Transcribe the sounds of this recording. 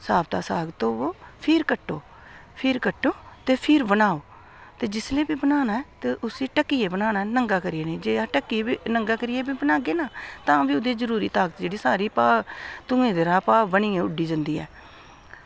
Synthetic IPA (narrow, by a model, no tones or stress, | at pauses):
saːbt̪aːsaːɡt̪oːoːpʰɪɾkəʈːoː | pʰɪɾkəʈːõːt̪eːpʰɪɾbənaːoː | t̪eːd͡ʒɪsleːbiːbənaːnaːɛːt̪eːʔʊsiːʈəkːiːeːbənaːnaːnəŋɡaːkəɾɪeːneːd͡ʒeːaːʈəkːiːiːnəŋɡaːkəɾɪjeːbiːbənaːɡeːnaːt̪ãːʋiːʊd̪eːd͡ʒəɾuːɾḭːt̪aːɡət̪d͡ʒeːɽiːsaːɾiːpaːt̪ʊ̃ːẽːd̪eɾaːpaːbəniːɛ̃ːʊɖiːd͡ʒənd̪iːɛ̰ː